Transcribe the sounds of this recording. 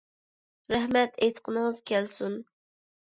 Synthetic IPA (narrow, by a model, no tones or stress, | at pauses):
ɾæhmɛt̪ʰet̪qʰənɨŋəzkʲɛlsun